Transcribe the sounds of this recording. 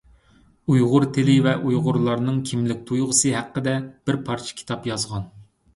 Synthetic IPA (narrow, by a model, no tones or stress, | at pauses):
ujʁʊɾt̪ʰelɪvɛʔujʁʊɾlˠɑɾnɨŋkʲʰimlɪk̚ʲt̪ʰujʁəsɨɦæqːəd̪ɛb̥ɪɾpʰɑɾt͡ʃʰɪ̥kʲʰi̥t̪ʰɑpjɑzʁɑn